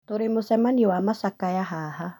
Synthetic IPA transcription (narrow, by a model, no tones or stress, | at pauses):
toɾemosɛmaniwamasakajaɦaha